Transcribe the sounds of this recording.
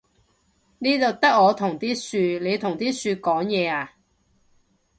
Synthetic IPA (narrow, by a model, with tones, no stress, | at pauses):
niː˥t̪o˨˧wt̪ɐ˥k̚ːɔː˨˧t̪ʰʊ˨˩ŋt̪iː˥syː˧le˨˧jt̪ʰʊ˨˩ŋt̪iː˥syː˧kɔː˨˥ŋjɛː˨˧aː˨˧